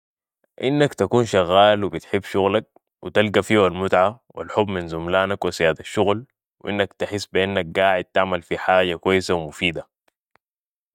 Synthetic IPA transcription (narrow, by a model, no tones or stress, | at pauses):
ʔinːakt̪akuːnʃaɣːaːlwibit̪ħɪbːʃuɣlak̚ | wit̪alɡafiːwalmʊt̪ʕa | wḭlħubminzumlaːnakwisijaːd̪aʃːuɣl | wʔinːakt̪ɪħɪsːbiʔanːak̚ɡaːʕɪd̪̚t̪aʕmalfiħaːɟakwajːɪsawmufiːd̪a